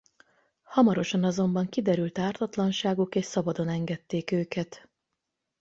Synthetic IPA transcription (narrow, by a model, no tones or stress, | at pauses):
hɒmɒɾo̞ʃɒnɒzo̞mbɒŋkid̪ɛɾylt̪aːrt̪ɒt̪lɒnʃaːɡukeːʃsɒbɒd̪o̞nɛŋɡɛt̪ːeːkøːkɛt̪